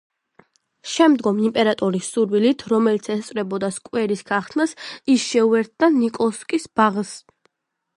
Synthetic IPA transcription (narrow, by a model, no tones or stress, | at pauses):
ʃɛmd̪ɡɔmimpʼɛɾat̪ʼɔɾisːuɾwilit̪ʰɾɔmɛlit̪sʰɛst̪sʼɾɛbɔd̪askʼwɛɾisɡaχt̪ʰnasisʃɛuɛɾt̪̚ʰd̪anikʼɔskʼisbaʁs